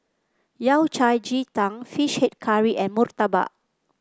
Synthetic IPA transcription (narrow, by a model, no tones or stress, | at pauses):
jawt͡ʃajd͡ʒit̪ãŋfiʃhɛt̚kʰaɹiʔɛ̃nmurt̪aba̰ʔ